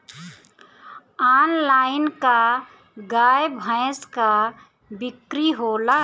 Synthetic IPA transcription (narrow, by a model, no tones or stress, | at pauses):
aːnlaːɪnka | ɡaːjbʱə̃ɪska | bɪkɾiɦola